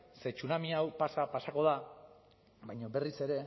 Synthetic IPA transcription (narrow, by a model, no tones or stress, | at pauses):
se̞t͡ʃunamiawpasapasako̞ða | βajɲo̞be̞rise̞ɾe̞